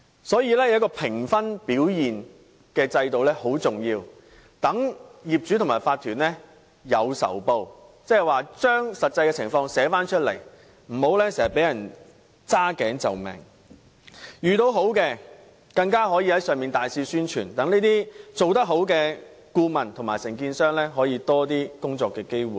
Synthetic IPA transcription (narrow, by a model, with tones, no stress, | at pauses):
sɔː˨˥jiː˧lɛː˥jɐ˨˦wk̬ːɔː˧pʰɪ˨˩ŋfɐ˥npiː˨˥wjiː˨n | kɛː˧t͡sɐ˧jt̪o˨wlɛ˥ho˨˥wt͡sʊ˨ŋjiː˧w | t̪ɐ˨˥ŋjiː˨p̚t͡ʃy˨˥ʊ˨˩maː˨˩faː˧t̪ʰyː˨˩nlɛ˥ | jɐ˨˧wsɐ̰˨˩wpo˧wt͡sɛ˥ɛ˨jwaː˨t͡ʃœː˥ŋsɐ˨t̚t͡sɐ˧jkɛː˧t͡sʰɪ˨˩ŋfɔː˧ŋsɛː˨˥faː˥nt͡ʃʰɵ˥t̚lḛ˨˩j | m̩˨˩ho˨˥wlɛː˥seː˨˩sɐ˨˩pe˨˥jɐ˨˩n | t͡saː˥kɛː˨˥ŋt͡sɐ˨wmɛ̰˨˩ŋ | jyː˨t̪o˧wɦo˨˥wkɛː˧ | kɐ˧ŋkaː˥ɦɔː˨˥jiː˧hɐ˨˥jsœː˨ŋmiː˨nt̪aː˨jsiː˧syː˥nt͡ʃʰy̰ː˨˩nt̪ɐ˨˥ŋniː˥t̪iː˥t͡so˨wt̪ɐ˥k̚ɦo˨˥wkɛː˧ | kuː˧mɐ˨˩nt̪ʰʊ˨˩ŋmaː˨˩jsɪ˨˩ŋkiː˧nsœː˥ŋlɛː˥ɦɔː˨˥jiː˧t̪ɔː˥t̪iː˥kʊ˥ŋt͡sɔː˨˧kːɛː˧ke˥jwuː˨˩j